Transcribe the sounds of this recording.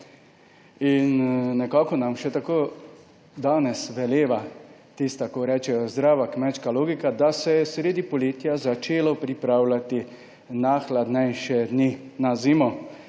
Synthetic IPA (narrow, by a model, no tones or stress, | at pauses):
inːɛkaːkɔnamʃɛt̪akoː | d̪aːnɛsʋɛljeːʋa | t̪ist̪akɔɾɛːt͡ʃɛjɔzd̪ɾaːʋakmɛt͡ʃkaloːɡikad̪asɛjɛsɾeːd̪ipɔlit̪ijazat͡ʃeːlapɾipɾaːwlat̪i | naxlad̪nɛjʃɛd̪ninaziːmɔ